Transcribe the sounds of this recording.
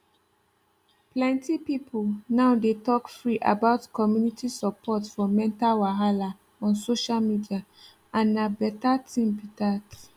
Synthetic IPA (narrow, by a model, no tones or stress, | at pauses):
plɛ̃ntipipʰulnaʊdetɔkfɹiʔa̰baʊtkɔmjunitisəpʰɔtfɔmɛ̃ntalwaɦala | ɔ̃nsoʃalmidia | ãnːabɛtatʰĩmbitat